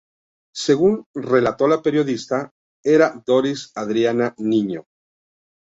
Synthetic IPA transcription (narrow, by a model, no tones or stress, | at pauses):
se̞ɣunre̞lat̪o̞lape̞ɾjo̞ðist̪a | e̞ɾad̪o̞ɾisaðɾjananĩɲo